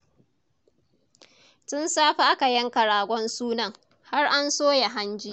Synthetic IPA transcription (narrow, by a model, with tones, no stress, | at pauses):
tʊ˦nsaː˦ɸa˦ʔa˦ka˨jɐ˦ŋkɐ˨ɽaː˨ɡʷɔ˦nsuː˦nɐ˨ŋ | ha˦rʔa˦nsoː˦ja˨ɦa˦nd͡ʒiː˦